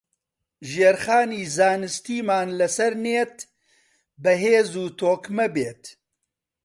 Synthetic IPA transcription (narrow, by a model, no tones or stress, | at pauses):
ʒeːɾχaːniːzaːnɨst̪iːmaːnlɐsɐɾneːt̪̚ | bɐɦeːzuːt̪ʰoːkmɐbeːt̪